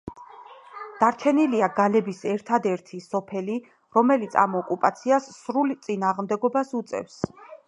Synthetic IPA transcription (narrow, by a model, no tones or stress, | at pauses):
d̪̥aɾt͡ʃʰɛniliaɡalɛbisɛɾt̪ʰad̪ɛɾt̪ʰisɔpʰɛli | ɾɔmɛlit̪sʰa̰mɔkʼupʼat̪sʰiasːɾult̪sʼinaːʁmd̪ɛɡɔbasut̪sʼɛ̰fs